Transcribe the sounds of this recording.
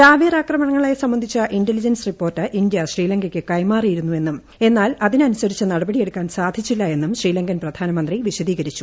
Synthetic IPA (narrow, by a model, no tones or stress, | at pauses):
t̪aːʋiːraːkrɐmɐɳɐŋːɐɭejsɐmbɐnd̪ʱit͡ɕːɐʔindelid͡ʑɐnsripːo̞ːrtːɨʔindjɐɕriːlɐŋɡɐkʲːɨkɐjmaːrijiɾunːue̞nːum | e̞nːaːlɐðinɐnusɐɾit͡ɕːɨnɐɽɐbɐɽije̞ɽukːaːnsaːd̪ʱit͡ɕːilːɐe̞nːumɕriːlɐŋɡɐnprɐd̪ʱaːnɐmɐnd̪riʋiɕɐðiːɣɐɾit͡ɕːu̥